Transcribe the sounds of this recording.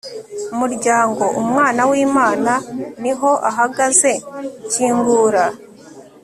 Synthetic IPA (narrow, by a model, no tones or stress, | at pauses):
umuɾɟaːŋɡo̞ʔumŋaːnawiːmaːnaniɦo̞ʔaɦaɡaze̞ciːŋɡuːɾa